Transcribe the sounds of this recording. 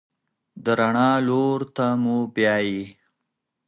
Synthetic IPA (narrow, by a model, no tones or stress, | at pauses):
d̪əɾaɳɑloɾt̪amubjɑji